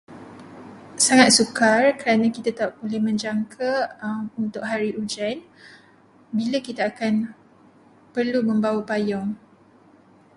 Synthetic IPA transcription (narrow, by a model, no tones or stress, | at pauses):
saŋat̪̚sukarkəɾanãkit̪at̪aʔ̚bolɛhmə̃ɲd͡ʒaŋkʰaunt̪ʊʔ̚ɦaɾiʔud͡ʒɛn | bilakit̪aːkan | pərlumə̃mbawapajɔŋ